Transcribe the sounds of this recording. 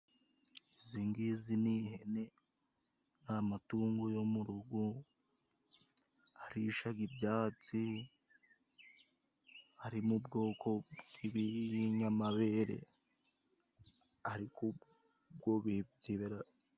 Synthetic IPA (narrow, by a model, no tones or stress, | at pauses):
iziŋɡizinihene | namatuːŋɡojomuɾuɡu | aɾiʃaɡibɟaːt͡si | haɾimubɡo̞ːkʰo̞bɡiβiiɲamaβeɾḛ | aɾiku | b̚ɡoβibziβeɾa